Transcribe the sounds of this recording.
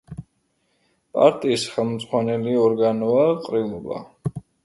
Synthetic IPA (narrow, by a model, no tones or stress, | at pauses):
pʼa̰ɾt̪ʼiːsχɛlˠmd̪z̥ʁwanɛliɔɾɡanɔaqʼɾilˠɔba̰